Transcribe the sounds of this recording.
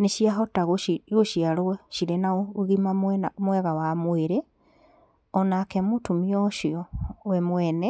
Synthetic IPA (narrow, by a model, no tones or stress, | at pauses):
neʃiaɦɔtaɣoiɣoʃiaɾoɛʃiɾenaoɣimamnmwɛɣawamweɾe | ɔnakɛmotumiɔʃiɔwɛmwɛnɛ